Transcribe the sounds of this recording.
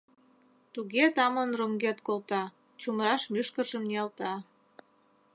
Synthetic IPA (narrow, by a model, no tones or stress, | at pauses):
t̪uɣet̪ɑmənroŋɡet̪kolt̪ɑ | t͡ɕumɾɑʃmyʃkəʒəmniɑlt̪ɑ